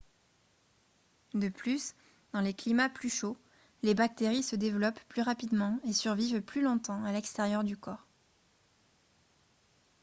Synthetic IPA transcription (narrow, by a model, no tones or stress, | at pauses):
d̪əplys | d̪̥ɑ̃leklimaplyʃo | lebak̚t̪eʁisəd̪evlɔpːlyʁapid̪mɑ̃esyʁvivplylɔ̃t̪ɑ̃alɛkst̪eʁjœʁd̪ykɔːʁ